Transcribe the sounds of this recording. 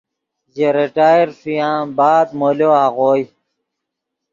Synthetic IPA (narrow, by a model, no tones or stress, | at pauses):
ʑeɾiʈaːjɾfijãːbaːd̪̚moloːaːɣoːj